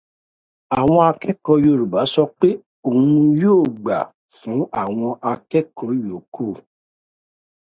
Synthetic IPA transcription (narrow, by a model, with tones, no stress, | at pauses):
a˨w̃ɔ̃˧a˧kɛ˦kɔ˧˦jo˨ɾu˨ba˨˦sɔ˧k͡pe˦ | o˨ũ˧˦˧joː˦˨ɡ͡ba˨ | fũ˨˦a˦˨w̃ɔ̃˧ʔa˧kɛ˦kɔ˧˦jo˨˦ko˦˨